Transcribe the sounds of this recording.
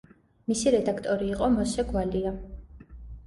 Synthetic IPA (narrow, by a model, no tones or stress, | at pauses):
misiɾɛd̪akʰt̪ʼɔɾiːqʼɔmɔsɛɡwalia